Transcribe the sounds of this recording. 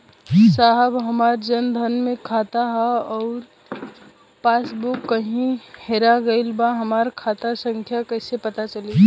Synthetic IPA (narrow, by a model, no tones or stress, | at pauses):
saɦəbɦəmaːɾd͡ʒənd̪ʱənmẽkʰaːt̪aɦɛɔːɾ | paːsbukːəɦĩheɾaɡəɪlbaɦəmaːɾkʰaːt̪asə̃ŋkʰjakəɪsepət̪at͡ʃəli